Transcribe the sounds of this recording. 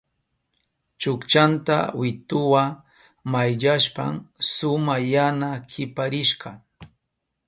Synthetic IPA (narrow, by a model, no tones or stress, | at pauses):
t͡ʃʊkt͡ʃant̪a̰wɪt̪ʊwa | majʎaʃpa̰msʊmajanakʰɪpaɾɪʃkɑ